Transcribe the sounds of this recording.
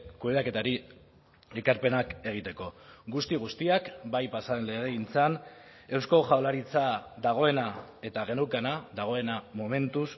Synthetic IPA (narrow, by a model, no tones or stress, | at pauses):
kuβeake̞t̪aɾi | ekaɾpe̞nake̞ɣ̞it̪e̞ko̞ɡust̪iɣ̞ust̪iakbajpasaenle̞ɣ̞e̞int͡san | e̞wsko̞ʝawlaɾit͡sad̪aɣ̞o̞e̞nae̞t̪aɣ̞e̞newkanaðaɣ̞o̞e̞namo̞me̞nt̪us